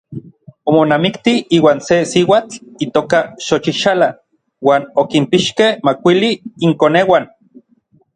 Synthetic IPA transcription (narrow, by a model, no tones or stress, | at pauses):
omonamikt̪iiːwaːnsesiwat͡ɬit̪oːkaʃot͡ʃiʃala | waːnokimpiʃkehmakʷiliːŋkoneːwan